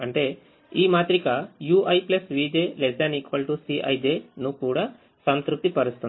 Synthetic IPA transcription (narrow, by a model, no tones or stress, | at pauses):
ɐɳʈe̞ː | iːmaːt̪ɾikɐjuːʔɐjplɐsʋiːd͡ʒeːled͡ʒaːnikʋɐlʈusiʔɐ̰jd͡ʒeːnukuːɽaː | sɐnt̪ɾup̚t̪ipɐɾust̪uni